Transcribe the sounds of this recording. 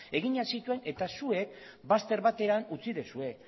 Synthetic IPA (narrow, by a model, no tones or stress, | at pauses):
e̞ɣ̞iɲasit̪ue̞ne̞t̪asue̞k̚bast̪e̞ɾβat̪e̞ɾanut͡siðesue̞